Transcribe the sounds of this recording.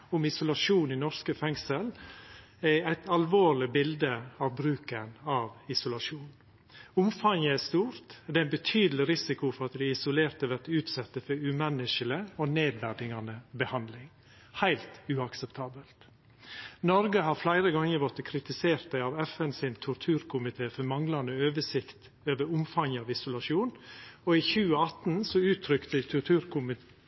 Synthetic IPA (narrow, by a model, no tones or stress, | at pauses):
ʊmɪsʊlɑʂuːninɔɾskəfɛŋsəl | æɪæɪt̪ʰɑlʋoːɭɪbɪld̪əɑʋbɾʉːkənɑːʋɪsʊlɑʂuːn | ʊmfɑŋəæst̪uːɾt̪d̪ɛænbət̪ʰyːd̪əlɪɾɪsɪkʊfɔɾɑt̪d̪ɪɪsʊleːɾt̪əʋæɾt̪ʉːt̪sɛt̪ːəfɔɾʉmɛnːɪʂələoːneːd̪ʋæɾɖ̪ɪŋɑnəbəhɑnd̪lɪŋ | hæɪlt̪ʉɑksəpt̪ʰɑːbəlt̪ | nɔɾɡəhɑɾflæɪɾəɡɑŋːəɾʋɔt̪ːəkʰɾɪt̪ɪseːɾt̪̚d̪æɪɑʋɛfɛnsɪnt̪ʰʊɾt̪ʰʉːɾkʰʊmɪt̪ʰeːfɔɾmɑŋlɑnəøːʋəʂɪkt̪ | øːʋəɾʊmfɑŋəɑʋɪsʊlɑʂuːnɔiːçʉːəɑt̪n̩sɔʉːt̪ʰɾʏkt̪ət̪ʰʊɾt̪ʰʉːɾkʊmɪ